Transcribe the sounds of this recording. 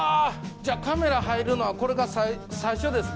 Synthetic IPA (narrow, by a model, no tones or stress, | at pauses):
aːd͡ʑaːkame̞ɾaɦaiɾɯ̟no̞ako̞ɾe̞ɡasaisaiɕo̞d̪e̞sɨ̥